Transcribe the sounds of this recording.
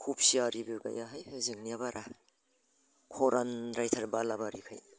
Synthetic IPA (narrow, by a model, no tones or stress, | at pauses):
kʰup̚siaɾibɯɡa̰jaɦajɯzɯŋniabaɾʔa | kʰɔɾanɾajtʰaɾbalabaɾḭkʰaj